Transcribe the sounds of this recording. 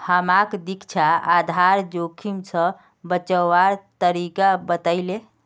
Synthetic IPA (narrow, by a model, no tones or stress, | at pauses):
həmakd̪ikt͡ʃʰaad̪ʱaɾd͡ʒokʰimsʰə̃ | bət͡ʃəʋaɾt̪əɾikabət̪əɪle